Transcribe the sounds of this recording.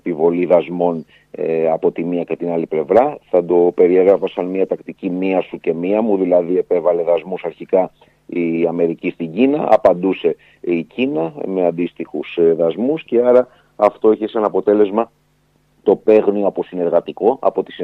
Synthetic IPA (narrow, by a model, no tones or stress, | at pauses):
pivo̞liðɐzmo̞n | ɐpo̞t̪imiɐce̞t̪inɐliple̞vɾɐθɐd̪o̞pe̞ɾie̞ɣɾɐfɐsɐnmiɐt̪ɐkt̪icimiɐsuce̞miɐmuðilɐðie̞pe̞vɐle̞ðɐzmusɐɾçikɐ | iɐme̞ɾicist̪iɲɟinɐʔɐ̰pɐnd̪use̞ | icinɐme̞ɐnd̪ist̪ixusðɐzmusce̞ɐɾɐː | ft̪o̞eçesɐnɐpo̞t̪e̞le̞zmɐ | t̪o̞pe̞ɣnioɐposineɾɣɐt̪iko̞ʔɐ̰po̞t̪i̥s